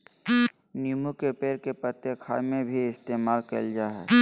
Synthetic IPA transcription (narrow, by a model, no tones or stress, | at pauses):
numukepeːɾkepɾət̪jekʰa̰ːjmẽbʱiɪst̪eːmaːlkə̰ld͡ʒaːɦɛ̰